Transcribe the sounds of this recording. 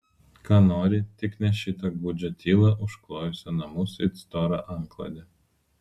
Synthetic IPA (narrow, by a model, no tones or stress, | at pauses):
kɑːnoːɾʲɪt̪ʲɪknʲɛʃʲɪt̪ɐɡbud͡ʒʲot̪ʲiːlˠɐʔʊʃklˠoːjʊsʲonɐmuːsɪt̪st̪ɔɾɐʔɐŋklˠɐ̰d̪ʲe